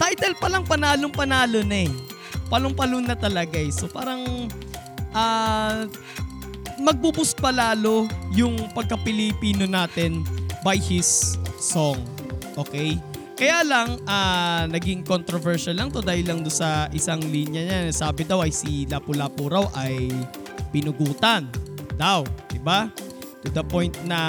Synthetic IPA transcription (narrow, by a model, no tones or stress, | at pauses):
t̪ajt̪ɛlpɐlɐŋpɐnaːloŋpɐnaːlo̞nɐɛ | pɐlʊŋpɐlʊnːɐt̪ɐlɐɡaɛsopaːɾɐŋ | ʔa | mɐɡ̚bubʊspɐlaːlo̞jʊŋpɐɡ̚kɐpɪlɪpiːno̞naːt̪ɛnbajhɪsːoŋ | ʔoːkɛj | kɐjaːlɐŋʔanɐɡɪŋkont̪ɾovɛɹʃɐlːɐŋt̪o̞d̪aːhɪlːɐŋd̪ʊnsɐʔɪsaŋliːnjɐɲasaːbɪd̪awɐjsilapʊlapʊɾawʔɐj | pɪnʊɡuːt̪ɐnd̪awd̪ɪba | t̪ʊd̪ɐpo̞jnt̪̚nɐ